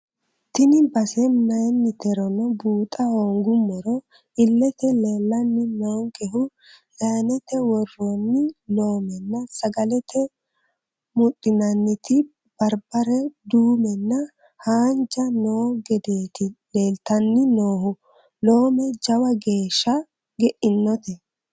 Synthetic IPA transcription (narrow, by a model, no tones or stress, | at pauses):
t̪ɪnɪbɐsɛnɐjnːɪt̪ɛɾɔnɔbuːt̪ʼɐɔŋɡʊmːɔɾɔ | ɪlːɛt̪ɛleːlːɐnːɪnoːŋkɛɦʊ | jaːnɛt̪ːɛwɔrːonːɪlo̞ːmɛnːɐsɐɡɐlɛt̪ʰɛ | mʊt̪ʼːɪnɐnːɪt̪ɪ | b̥ɐɾbɐɾɛd̪uːmɛnːɐ | haːnd͡ʒɐnoːɡɛd̪eːt̪ɪle̞ːlt̪ɐnːɪnoːhʊ | lo̞ːmɛd͡ʒɐwɐɡe̞ːʃːɐ | ɡɛʔɪnːɔt̪ɛ